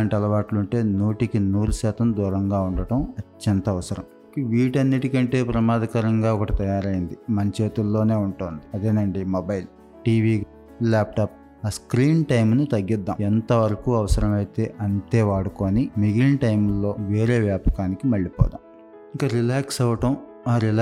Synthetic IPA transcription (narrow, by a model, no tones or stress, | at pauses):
aːɳʈɐlɐʋaːʈluɳʈe̞ːnuːʈikinuːɾuʃaːt̪ɐmd̪uːɾɐŋɡaːuɳɖɐɽɐmɐt͡ʃːɐnt̪ɐɐʋɐsɐɾɐ̰m | ikɐʋiːʈɐnːiʈikɐɳʈe̞ːpɾɐmaːd̪ʱɐkɐɾɐŋɡaːɔkɐʈɐt̪ɐjaːɾɐjind̪imɐɲt͡ʃe̞ːt̪ulːo̞ːne̞ːuɳʈoːnd̪iɐd̪eːnɐɳɖimobɐjl | ʈiːʋiːɡ | laːp̚ʈaːp̚ | askɾiːnʈɐjmnut̪ɐɡːid̪ːa̰ːmɛnt̪ɐʋɐɾɐkuːɐʋɐsɐɾɐmɐjit̪e̞ːʔɐnt̪e̞ːʋaːɽukoːnimiɡinʈɐjmlːo̞ːʋe̞ːɾe̞ːʋjaːpɐ̥kaːnikimɐɭːipɔ̰ːd̪a̰ːm | ikɐɾilaːksɐʋɐʈɐm | aːɾil